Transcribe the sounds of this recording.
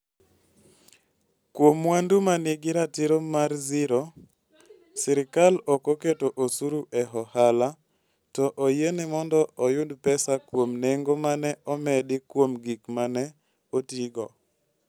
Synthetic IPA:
kwomwandumanɪɡɪɾatɪɾomarzɪɾo | sɛɾɪkalokoketoʔosuɾuʔɛɦɔhala | tɔʔojenɪmɔndɔɔjʊdpɛsakwomneŋɡomanɛɔmɛdɪkwomɡikmanɛ | otiɡɔ

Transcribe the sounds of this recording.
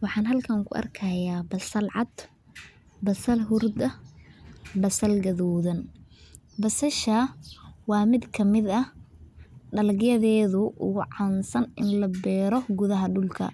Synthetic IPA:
wɑħɑːnɦɐlkʰɐŋkʰʊ̰ʔɐ̰rkʰɐjaːbɐsɐlʕɑd̪ | bɐsɐlɦʊrd̪ɐ | bɐsɐlɡɐðɔːðɐn | bɐsɐʃɐwɑːmɪd̪kʰɐmɪd̪ɐ | ɖɐlɐɡjɐðɛːðʊʔʊ̰ɣʊʕɑnsɐnɪnlɐbɛːɾɔɡʊðɐɦɐɖʊlkʰɐ̰

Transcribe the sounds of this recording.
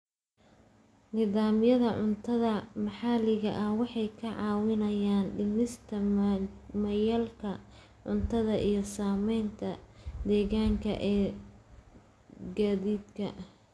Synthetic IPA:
niːðaːmjɐðɐʕʊnt̪ʰɐðɐmɑħɑlɪɣɐʔɐhwɑħɑjkʰɐʕɑːwɪnɐjaːnɖɪnɪst̪ʰɐ | mɐjɐlkʰɐ | ʕʊnt̪ʰɐðɐʔijɞsaːmɛjnt̪ʰɐd̪ɛːɣaːŋkʰɐ̰ʔɛː | ɡaːðiːd̪kʰɐ

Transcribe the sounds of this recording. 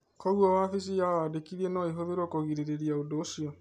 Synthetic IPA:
kɔɣwɔwafisijawadekiɾienɔiɦoðeɾokoɣiɾeɾeɾiaodoʃiɔ

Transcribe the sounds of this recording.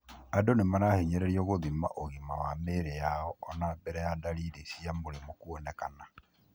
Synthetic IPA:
adonemanahiɲɛɾɛɾiɔɣoðima̰ʔoɣimawameɾejaɔɔnabɛɾɛjadalidisiamoɾemokuɔnɛkana

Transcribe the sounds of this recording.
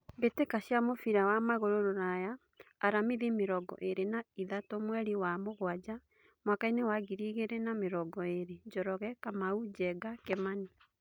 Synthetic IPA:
mbetekaɕjamofiɾawamaɣoɾoɾoɾajaː | ɾamiðemeɾɔɡɔ̰ʔeɾenaiðatomwɛɾiwamoɣwad͡ʑa | mwakainewaɣiɾiɣeɾenameɾɔɡɔeɾed͡ʒɔɾɔɣɛkamaud͡ʒɛɡakɛmani

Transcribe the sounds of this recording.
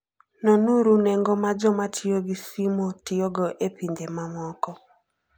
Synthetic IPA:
nɔnuɾuneŋɡɔmad͡ʒɔmatʰɪoɡisimotɪoɡɔʔepindemamɔkɔ

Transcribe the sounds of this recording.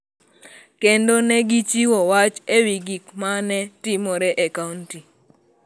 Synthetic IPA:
kendonɛɡit͡ʃiwɔwat͡ʃewiɡikmanɛtimɔɾɛʔekaunti

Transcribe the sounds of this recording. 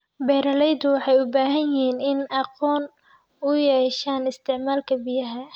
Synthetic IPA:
bɛːɾɐlɛjd̪ʊwɑħɑjʊbaːɦɐnjɪɦiːnɪnɑqɔːn | ʊjɛːʃaːnɪst̪ʰɪʕmaːlkʰɐbɪjɐɦɐ

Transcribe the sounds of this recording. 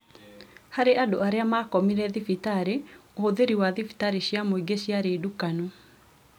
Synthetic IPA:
haɾeʔadoaɾeamakɔmiɾɛðifitaɾeooðeɾiwaðifi̥taɾeɕjamoiɡeɕjaɾedukano

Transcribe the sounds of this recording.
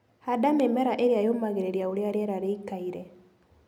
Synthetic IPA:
hadamemɛɾaʔeɾjajomaɣeɾeɾjaoɾeaɾjɛɾaɾeikaiɾɛ

